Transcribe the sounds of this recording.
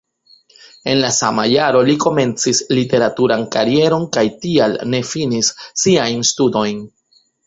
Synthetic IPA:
e̞nlasa̰majaɾo̞liko̞me̞nt͡sislite̞ɾatuɾankaɾie̞ɾo̞nkajtialne̞finisːiajnstudo̞jn

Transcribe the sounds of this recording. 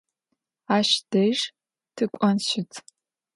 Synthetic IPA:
aːʃd̥ɐjʐ | tʰɨkʷʼɐnɕɪtʰ

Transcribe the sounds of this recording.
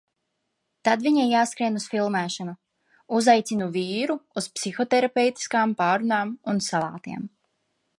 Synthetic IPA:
t̪ad̪viɲajaːskɾiɛnusfilˠmæːʃanu | uzajt̪sinuviːɾuuspsixɔt̪ɛɾapɛwt̪i̥skaːmpaːɾunaːmunsalˠa̰ːt̪ḭɛm

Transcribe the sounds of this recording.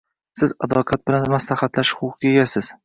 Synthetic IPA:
sɪza̰d̪ɒqʰɑt̪̚bɪlanmaslahat̪laʃχʊqɡʲeɡʲasɪz̥

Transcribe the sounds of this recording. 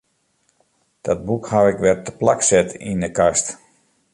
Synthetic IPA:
d̥ɔt̚bukhawɪkʋɛrtəplaksɛtḭndəkast

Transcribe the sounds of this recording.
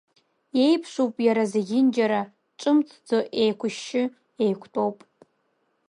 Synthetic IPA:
je̞jpʰʂʷupʼjaɾazeɡʲɪnd͡ʒaɾa | ʈ͡ʂʼɨmt͡sʰd͡zoʔejkʷʰʊʃːɪ | ejkʷʰtʼo̞wpʼ

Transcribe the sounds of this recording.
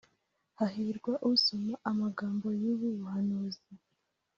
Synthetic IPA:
haɦiɾɡwaʔusomaʔamaɡaːmbo̞juβuβuhanuːzi

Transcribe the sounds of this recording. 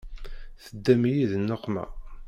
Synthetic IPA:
θəd̪ːæmjiðnːoqːmæ̰

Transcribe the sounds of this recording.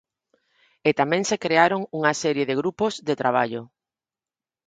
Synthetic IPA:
et̪amẽŋsekɾeaɾoŋuŋasɛɾjeðeɣ̞ɾupozðet̪ɾaβ̞aʎo

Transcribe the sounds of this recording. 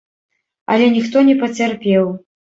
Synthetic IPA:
ɐ̰lʲɛnʲixt̪ɔnʲɛpɐt͡sʲarpʲɛw

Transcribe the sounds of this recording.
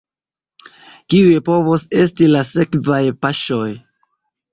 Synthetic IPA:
kiujepo̞vose̞stilase̞kvajpaʃo̞j

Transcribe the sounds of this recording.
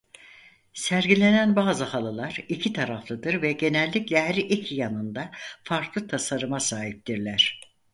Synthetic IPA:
sæɾɟilʲe̞nænbaːzɯhalˠɯlˠaɾ̥icʰit̪ʰaɾaflˠad̪ɯɾvɛɟe̞nɛlʲːiclʲɛɦæɾiʔicʰijanɯnd̪afaɾklˠɯt̪ʰasaɾɯmasaːɦip̚t̪iɾlʲæɾ̝̥

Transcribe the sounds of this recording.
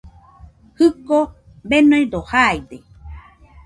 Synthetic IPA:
hɨko | benõj̃d̪ohajd̪e

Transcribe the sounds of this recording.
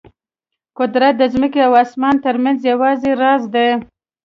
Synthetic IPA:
kʊd̪ɾat̪̚d̪əzməkeawɑsmɑnt̪əɾmanzjawɑzeɾɑzd̪e

